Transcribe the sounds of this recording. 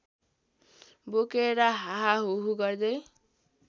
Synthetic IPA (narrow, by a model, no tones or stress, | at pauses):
bokeɾaɦaɦaɦuɦuɡʌrd̪ʌj